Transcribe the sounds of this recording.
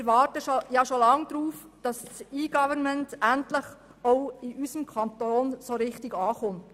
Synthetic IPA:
ɾʋɑːrtəʃojɑʃolɑŋd̥ɾuːf | d̥ɑssiːɡ̥ɑvəɾmɛntæntləχ | ɔʊɪʔysəmkʰɑntoːnsoɾɪχtɪɡ̥ɑːχʊnt

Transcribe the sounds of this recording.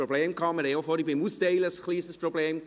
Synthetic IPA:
ɾobleːmkʰɑːməɾeofɔɾibɪmusteɪləskliːsəsprobleːm

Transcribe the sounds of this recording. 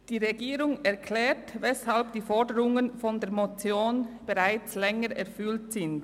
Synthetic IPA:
d̥iːʁeɡiːʁʊŋɛɐkʰlɛːtvɛshalb̚d̥iːfɔɐdəɾʊŋənfɔndeːɐmot͡sjoːnb̥eʁaɪt͡slɛŋəɾʔɛʁfʏltsɪnd

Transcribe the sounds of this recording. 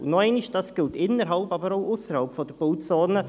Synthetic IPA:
nɔɛɪniʃd̥ɑsɡ̥ɪltɪnəɾɦɑlpɑbəɾoʊʔʊsəɾhɑlpfɔd̥əb̥oʊtt͡sɔːnə

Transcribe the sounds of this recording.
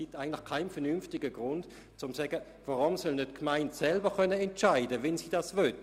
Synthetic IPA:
itaɪɡən̩tlɪxkʰaɪnfɛɐnynftɪɡəɡʁʊnt | t͡sʊmsɛɡə | vaʁʊmsœlnøtkmaɪntsɛlbəkœnəɛntt͡ʃaɪdəvɛnsiːdasvœt

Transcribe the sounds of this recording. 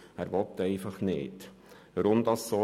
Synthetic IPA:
æːɾʋɔt̪ːɛɪfɑχnɪ̰ːt | ʋəɾʊmd̥̪ɑsːo

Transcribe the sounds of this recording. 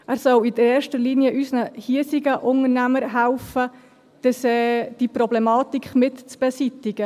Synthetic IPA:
æɾsɔwidəɾeːʃtəɾliniəʔysnəhiəsiɡəʔʊŋəɾnæməɾɦælfə | d̥əsɛd̥iprɔblɛmɑːt̪ikχmɪtt͡sb̥esitɪɡ̥ə

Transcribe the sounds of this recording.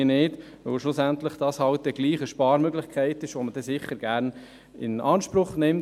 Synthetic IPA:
nɪːd̥ | ʋœlʃlʊsænt̪ləχd̥ɑshɑlt̚dɛɡliːχəʃpɑːɾmøɡlɪχkʰɛɪt̪ɪʃʋɔməd̥ɛsɪχːəɾɡ̥æːɾn | ɪ̰nɑːnʃpɾʊχnɪm

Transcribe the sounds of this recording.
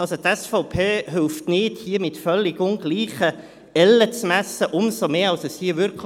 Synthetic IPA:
ɑlsot̪ɛsfɔʊpʰeːɦɪlftnɪd̥hiːəmɪtfœlːɪɡʊnɡliːχə | ɛlːət͡smæsəʔʊmsomeːɑlsəshiːəvʏɾk

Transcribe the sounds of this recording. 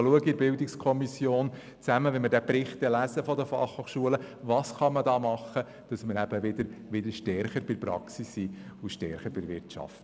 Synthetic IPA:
luəɡɪɾbɪldɪkskʰɔmisjoːn | t͡sæməʋɛnməɾdɛpɾɪχt̪ɛlæzəfɔdəfɑ̰χhoχʃuələʋɑːsχɑmədɑːmɑχːə | d̥ɑsməɾæbəʋɪd̥̪əɾʋɪd̪əɾʃtɛɾχəɾb̥ɪɾpɾɑ̰ksisːiʊʃtɛ̰ɾχəɾbɪɾvɪrtt͡ʃɑ̰ft

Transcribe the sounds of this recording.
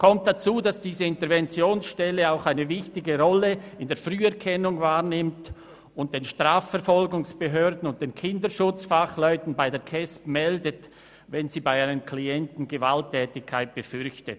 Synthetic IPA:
kʰɔmt̚d̥at͡suːdasd̥iːzəɪntəɐʁvɛnt͡sjoːnsʃtɛlːəaʊxaɪnəvɪçtɪɡəʁɔləɪndeːɐfʁyːɛɐʁkʰɛnʊŋvaːʁnɪmt | ʊnt̚d̥eːnʃtʁ̥aːfɛɐfɔlɡʊŋsb̥əɦøːdn̩ʊnt̚d̥eːnkʰɪndəʃʊt͡sfaχlɔʏtn̩baɪdeːɐkʰɛspmɛldət | vɛnziːbaɪanənkʰliɛntn̩ɡəvaltʰːɛːtɪkʰːaɪt̚b̥əfʏʁçtət

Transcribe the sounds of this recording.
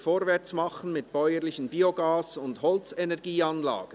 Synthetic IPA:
foːɾvɛʁt͡smɑχən̩mɪt̚b̥ɔʏəɾlɪçən̩biːoɡɑːsʊndhɔlt͡sɛnɛɐɡiːɑnlɑ̰ːɡ̥ə

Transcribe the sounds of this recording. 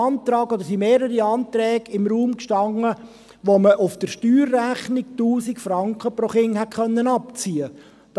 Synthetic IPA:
ɑːnt̪ɾɑːkod̥̪əɾsimeːɾəɾiɑːntɾɛːɡɪmɾuːmkʃtɑŋːə | ʋoməʔʊfd̥əɾʃtyːrːæχnɪk̚tuːsikfɾɑŋkχəpɾoχɪŋhɛtχœnːənɑpt͡siːə | d̥

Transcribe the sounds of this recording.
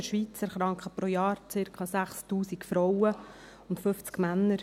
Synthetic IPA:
əʃʋit͡sæɾχɾɑŋkχəpɾɔjɑːɾt͡sɪɾkʰɑːsæχstuːsikfɾɔwə | ʊntfɵft͡skmænːəɾ

